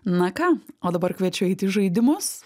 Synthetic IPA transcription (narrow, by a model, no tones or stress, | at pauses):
nɐkɑːoːd̪ɐbɐrkʋʲɛt͡ʃʲɛʊɛɪt̪ʲɪʒɐɪd̪ʲɪmʊs